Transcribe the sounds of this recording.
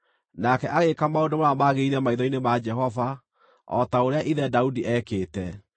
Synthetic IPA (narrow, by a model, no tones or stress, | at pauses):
nakɛʔaɣekamaodomoamaɣeiɾɛmaiðɔinemad͡ʒɛɦɔva | ɔ̰taoɾeaʔiðɛdaudiʔɛkeːtɛ